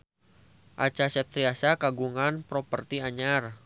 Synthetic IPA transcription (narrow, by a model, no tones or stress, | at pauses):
ʔa̰t͡ʃasɛt̪ɾiasakaɡuŋanpɾɔpərt̪iaɲar